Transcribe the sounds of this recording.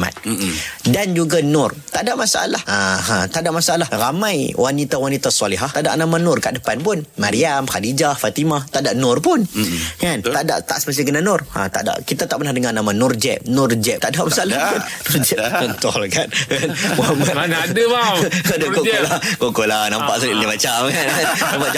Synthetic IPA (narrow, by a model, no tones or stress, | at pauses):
ma̰t̪̚dand͡ʒuɡanʊrt̪aʔdaʔmasaʔa̰lahaɦat̪aʔdaʔmasaʔalahramãjwʔanit̪awanit̪asɔlɪɦaht̪ada̰ʔnamanʊrkaʔdəpanpʊnmaɾiamhadid͡ʒafat̪imat̪aʔdaʔnʊrpʊnkanada̰ʔt̪a̰ʔsə̥pəs̬ikənanʊra̰t̪a̰ʔda̰ʔkit̪at̪aʔpənahdəŋarnamanʊrd͡ʒɛ̰p̚nʊrd͡ʒɛp̚t̪adaʔmasaalapʊnnʊrd͡ʒɛɔnt̪ɔlkankanmɔamatnadəmaadakoolakokolanampaʔsulɪlimat͡ʃamkankanaba